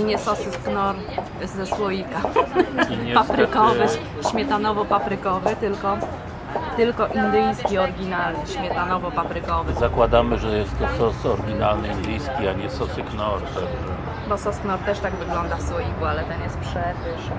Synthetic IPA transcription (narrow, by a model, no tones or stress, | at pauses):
iɲɛsɔsknɔɾ | zɛswɔjika | ɲpapɾɘkɔvɘ | ɕmʲjɛt̪anɔvɔpapɾɘkɔvɘt̪ɘlkɔ | t̪ɘlkɔʔind̪ɘjskʲiɔɾɡʲinalnɘɕmʲjɛt̪anɔvɔpapɾɘkɔvɘzakwad̪amɘʐɛjɛst̪ːɔsɔsɔɾɡʲina̰lnɘind̪ɘjskʲiaɲɛsɔsɘknɔɾt̪ɛʐɛ | bɔsɔsknɔɾt̪ɛʂt̪aɡvɘɡlɔnd̪afswɔjikualɛt̪ɛnjɛst̪̚pʂɛvɘʂ